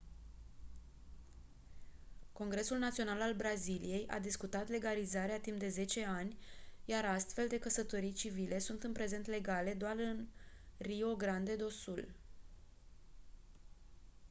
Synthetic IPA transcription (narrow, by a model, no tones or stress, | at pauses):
ko̞ŋɡɾe̞sulnat̪sio̞nalalbɾazilije̞jʔa̰d̪iskut̪at̪le̞ɡalizaɾeat̪impd̪e̞ze̞t͡ʃe̞anʲjaɾast̪fe̞ld̪e̞kəsət̪oɾijt͡ʃivile̞sunt̪ɨnpɾe̞ze̞nt̪le̞ɡale̞d̪oarɨnrio̞ɡɾand̪e̞d̪o̞sul